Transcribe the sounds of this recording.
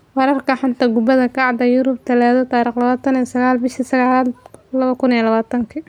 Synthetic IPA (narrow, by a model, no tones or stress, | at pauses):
wɑɾɐrkʰɐħat̪ʰaːɡʊbɐðɐkʰɑʕd̪ɐjʊɾʊb̚t̪ʰɐlɛːðɐt̪ɑːɾiːχlɐβaːt̪ʰɐnisɐɣaːlbɪʃisɐɣaːlaːd̪lɐβɐkʰʊnijlɐβaːt̪ʰɐŋkʰɐ